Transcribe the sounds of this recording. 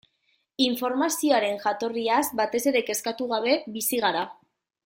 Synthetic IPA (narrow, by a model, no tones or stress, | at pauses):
iɱfo̞ɾmasioaɾe̞nʝat̪o̞riazbat̪e̞se̞ɾe̞ke̞skat̪uɣ̞aβe̞bisiɣ̞aɾa